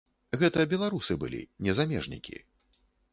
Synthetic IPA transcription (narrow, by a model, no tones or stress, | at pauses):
ɣɛt̪ɐbʲɛlˠaɾusɨbɨ̰lʲḭnʲɛzamʲɛ̰ʐnʲḭkʲḭ